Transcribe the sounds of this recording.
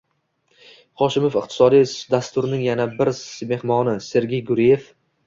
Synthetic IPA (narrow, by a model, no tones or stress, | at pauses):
χɒʃɪmofɪq̚t̪ʰɪ̥sɒd̪ijd̪ast̪ʊɾnɪŋjanabɪɾsme̞hmɒnɪse̞ɾɡʲejɡʊɾije̞f